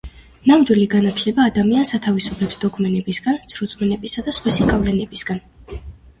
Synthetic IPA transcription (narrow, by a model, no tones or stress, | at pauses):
namd̪wiliɡanat̪ʰlɛbaːd̪amiansat̪ʰavisupʰlɛpsd̪ɔkʰʼmɛnɛbisɡant̪sʰɾut̪sʼwɛnɛbisad̪asχwisikʼavlɛnɛbisɡ̥an